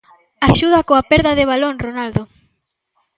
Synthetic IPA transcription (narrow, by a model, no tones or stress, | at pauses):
aʃuð̞ɐkoapɛɾðɐðɪβ̞aloŋronald̪o